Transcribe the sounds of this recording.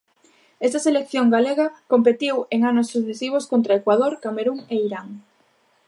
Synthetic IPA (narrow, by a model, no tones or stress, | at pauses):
ɛst̪aselekθjoŋɡaleɣɐkompet̪iweŋanosːuθesiβ̞oskont̪ɾaekwað̞oɾkameɾuŋeiɾaŋ